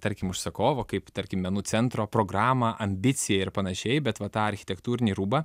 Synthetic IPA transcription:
t̪ɐɾʲkʲɪmʊʃsɐkoːʋokɐɪpt̪ɐɾʲkʲɪmʲɛnuːsʲɛnt̪ɾoːpɾoːɡɾɑːmɐʔɐmʲbʲɪsʲɪjɛɪɾpɐnɐʃʲɛɪbʲɛt̪ʋɐt̪ɑːɐɾʲxʲɪt̪ʲɛkt̪uːɾʲɪnʲiːɾuːbɐ

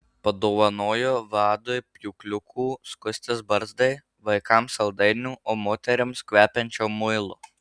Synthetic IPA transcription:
pɐd̪oːʋɐnoːjoːʋɑːd̪ojpʲjuːklʲʊkʰuːskʊsʲt̪ʲɪsbɐɾzd̪ɐɪ | ʋɐɪkɐmsɐlˠd̪ɐɪnʲuːoːmoːt̪ʲɛɾʲɪmskʲʋʲæːpʲɛnʲt͡ʃʲoːmʊɪlˠʊ

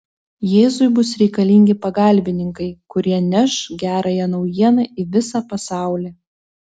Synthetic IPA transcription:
jeːzʊɪbʊsɾʲɛɪkɐlʲɪŋʲɡʲɪpɐɡɐˑlʲbʲɪnʲɪŋkɐɪkʊɾʲiɛnʲɛʃɡʲæːɾɐjɛnɒʊjiɛnɐʔiʋʲɪsɑpɐsɑˑʊlʲeː

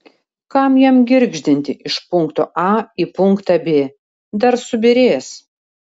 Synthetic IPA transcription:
kɑmjɛmɡʲɪɾʲɡʒʲd̪ʲɪnʲt̪ʲɪʔɪʃpʊŋkt̪o̰ːʔɑipʊŋkt̪ɑbʲeː | d̪ɐɾsʊbʲɪɾʲeːs

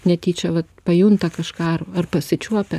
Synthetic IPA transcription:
nʲɛt̪ʲiːt͡ʃʲɛʋɐt̪pɐjʊnt̪ɐkɐʃkɑːɐrɐrpɐsʲɪt͡ʃʲuɔpʲɛ

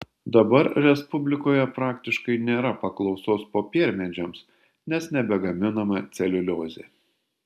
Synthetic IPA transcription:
d̪ɐbɐɾɾʲɛspʊbʲlʲɪkoːjɛpɾɑːkt̪ʲɪʃkɐɪnʲeːɾɐpɐklˠɒʊsoːspoːpʲiɛɾʲmʲɛd͡ʒʲoms | nʲɛsnʲɛbʲɛɡɐmʲɪnɐmɐt̪sʲɛlʲʊlʲoːzʲḛː

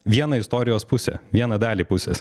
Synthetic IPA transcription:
ʋʲiɛnɐɪst̪ɔːɾʲɪjoːspʊsʲɛ̰ʋʲiɛnɐd̪ɑːlʲiːpʊsʲḛs

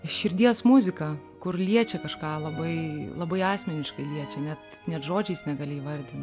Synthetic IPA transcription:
ʃʲɪɾʲd̪ʲiɛsmʊzʲɪkɐ | kʊrlʲiɛt͡ʃʲɛkɐʃkɑːlˠɐbɐɪlˠɐbɐɪɑːsʲmʲɛnʲɪʃkɐɪlʲiɛt͡ʃʲɛnʲɛt̪ | nʲɛt̪ʒoːd͡ʒʲɛɪsnʲɛɡɐːlʲɪʋɐrʲd̪ʲɪn

